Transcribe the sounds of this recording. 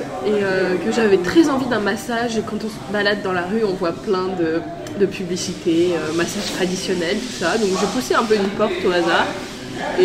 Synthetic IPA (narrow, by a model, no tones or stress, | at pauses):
eøkəʒavɛt̪χɛzɑ̃vid̪ɛ̃masaʒekɑ̃t̪ɔ̃səbalad̪ːɑ̃laʁyɔ̃vwaplɛ̃d̪ə | d̪əpʰyblisit̪eømasaʒ̥t̪χad̪isjɔnɛlt̪u̥sad̪ɔ̃kʒəpusɛɛ̃pøynpɔʁt̪oazaːʁ | e